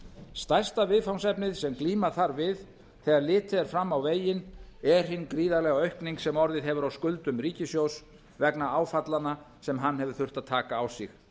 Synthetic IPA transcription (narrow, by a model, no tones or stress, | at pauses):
st̪aj̥st̪avɪðfawnsɛpnɪðsɛmkliːmḁθaɾvɪð | θɛɣaɾlɪːt̪ʰɪðɛɾ̥fɾamːawveːjɪnɛɾ̥ɦɪnːkɾiːðalɛɣaœɥhkniŋksɛmɔɾðɪðɦɛvʏɾawskʏlt̪ʏmriːcɪsjows | vɛknaaːwfat̪lana | sɛmɦanːɦɛvʏɾ̥θʏr̥t̪aðt̪ʰaːkaːwsɪ̰x